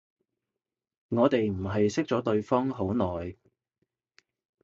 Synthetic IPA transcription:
ŋɔː˨˧t̪e˨jm̩˨˩ɦɐ˨jsɪ˥k̚t͡sɔː˨˥t̪ɵ˧ɥfɔː˥ŋɦo˨˥wnɔː˨j

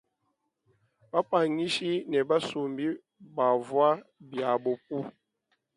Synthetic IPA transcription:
ba˦pa˨ɲi˦ʃi˦nɛ˨ba˦su˨mbi˦ | ba˨vwa˦bja˨bo˨p̚u˦

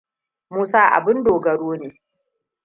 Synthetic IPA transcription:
muː˦saː˦ʔa̰˨bɪ˦ndoː˨ɡɐ˨ɽoː˦neː˨

